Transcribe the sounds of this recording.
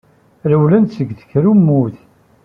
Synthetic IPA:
ɾəwlænt̪səɡːθə̥çɾumːuθ

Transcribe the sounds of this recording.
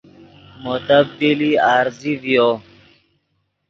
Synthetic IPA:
mot̪əbːiliaːɾzivijo

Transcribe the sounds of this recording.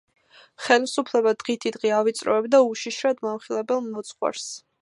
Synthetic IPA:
χɛlmsupʰlɛbad̪ʁit̪ʰid̪ʁiavit̪sʼɾɔɛbd̪auʃiʃɾad̪mamχilˠɛbɛlˠmɔt̪sʼχwa̰ɾs

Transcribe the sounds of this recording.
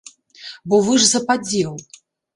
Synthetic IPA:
bɔvɨʐzɐpad͡zʲɛwˠ

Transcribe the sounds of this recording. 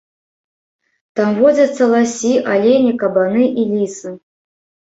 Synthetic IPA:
t̪amvɔd͡zʲɐt̪sːɐlˠasʲiʔalʲenʲikɐbanɨʔilʲisɨ

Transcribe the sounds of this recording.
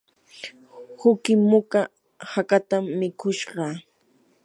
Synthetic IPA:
hʊkɪmʊka | hakat̪amːɪkʊʃɢɑ

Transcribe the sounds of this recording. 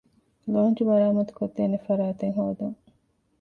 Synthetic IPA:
loːnd͡ʒubɐɾaːmɐt̪u̥kot̪ːeːnefɐɾaːt̪eŋɦoːd̪ɐŋ

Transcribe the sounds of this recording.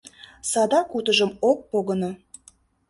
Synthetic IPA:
sɑd̪ɑkut̪əʒəmok̚poɣəno

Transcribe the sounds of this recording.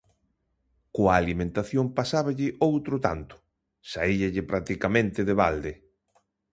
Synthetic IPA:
koaːlimẽnt̪aθjompasaβaʎɪʔowt̪ɾʊt̪a̰nt̪ʊ̥ | saiʎɪʎɪpɾat̪ikamẽnt̪ɪðeβald̪e

